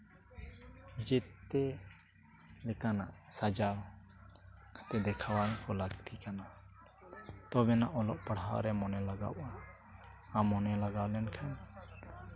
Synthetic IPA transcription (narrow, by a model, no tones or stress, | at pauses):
d͡ʒɛt̪ːɛ | lɛkana̰ʔsad͡ʒa | kʰat̪ɛd̪ɛkʰawakʰɔlakt̪ʰikana | t̪ɔbɛnaʔɔlɔʔpaɽ̤ɦawɾɛmɔnɛlaɡa̰wʔa | amɔnɛlaɡawlɛnkʰan